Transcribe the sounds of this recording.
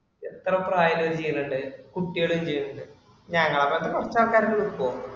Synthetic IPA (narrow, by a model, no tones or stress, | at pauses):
et̪ːrɐpraːjɐloːt͡ɕejːɐnuɳɖɨkuʈːiɣɐɭumt͡ɕejːɐnɐɳɖɨ | ɲɐŋːɐɭɐmːɐnd̪ɨpɐrɐt͡ɕːaːrkaːɾɐŋːɐɭupoː